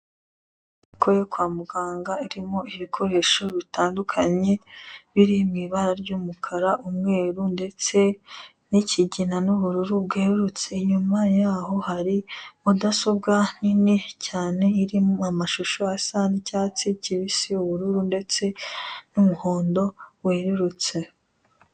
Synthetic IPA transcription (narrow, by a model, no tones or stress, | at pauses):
iko̞jokwaːmuɡaːŋɡaiɾimo̞iβikʰo̞ɾe̞ʃo̞βitaːndukʰaɲeβiɾimŋiβaɾaɾɟuːmukʰaɾaʔumŋe̞ːɾunde̞t͡se̞ | niciɟinanuβuɾuɾubɡeːɾut͡se̞ɲumajaːɦo̞haɾimudaso̞bɡaninicaːne̞iɾimoamaʃuʃo̞asanicaːt͡siciβisiuβuɾuɾunde̞t͡se̞numuhoːndo̞weːɾuɾut͡se̞